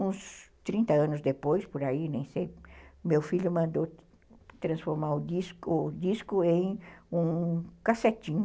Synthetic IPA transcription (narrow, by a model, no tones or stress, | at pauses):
ũst̪ɾĩnt̪ɐɐ̃nʊzd̪epojspoɾainẽj̃sejmewfiʎjʊmɐ̃nd̪o | t̪ɾɐ̃sfoɾmaɾʊd̪iskʊd̪iskʊẽj̃ũkaset͡ʃ̪ĩ